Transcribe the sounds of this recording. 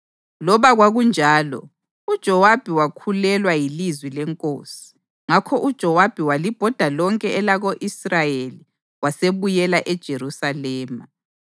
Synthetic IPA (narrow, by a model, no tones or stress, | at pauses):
lɔβaɣwaɣund͡ʒʱaːlɔ̰ | ud̥ʒ̥ʱɔwab̥ʱiwakʰulɛlwajilizwilɛŋkʼoːsi̥ | ŋakʰɔʔud̥ʒ̥ʱɔwab̥ʱiwalib̥ʱɔd̥ʱalɔŋkʼɛɛlaɣoʔisrajeli | waseβujɛlaʔɛd̥ʒ̥ʱeɾusalɛːma